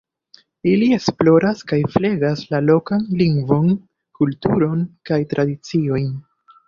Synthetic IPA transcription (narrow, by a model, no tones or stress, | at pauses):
ilie̞splo̞ɾaskajfleɡaslalo̞kanliŋɡvo̞n | kultuɾo̞nkajtɾʔadit͡sio̞jn